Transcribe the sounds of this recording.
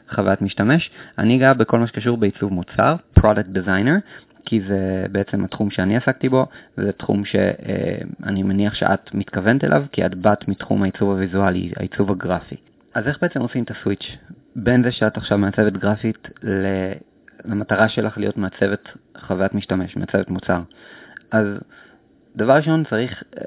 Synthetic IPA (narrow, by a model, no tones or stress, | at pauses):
χavajatmiʃtame̞ʃa̰niɡabekʰo̞lmaʃekaʃ̬uʁbeit͡suvmut͡sa̰ʁpʁodak̚t̚dizajneʁ | kʰizebeet͡semhatχumʃeaniasak̚tibo̞vzetχṵmʃe̞̰ḛa̰nimaniaχʃḛʔa̰tmitkave̞ntelʔa̰vkia̰dbatmitχṵmhait͡suvavizualḭa̰ḭt͡suvaɡʁafḭ | ʔaze̞χbeet͡semo̞simt̪aswit͡ʃ | benzeʃeataχʃavmeat͡sevetɡʁafitle | lamataʁaʃelʔaχlijo̞tmeat͡se̞vetχavajatmiʃtame̞ʃmeat͡sevetmut͡saʁʔaz | d̥avaʁiʃo̞nt͡saʁiχ